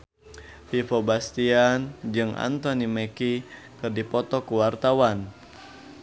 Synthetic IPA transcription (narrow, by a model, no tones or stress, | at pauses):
fifɔbast̪iand͡ʒɨŋʔa̰nt̪ɔnimeki | kɨrdipɔt̪ɔkuwart̪awan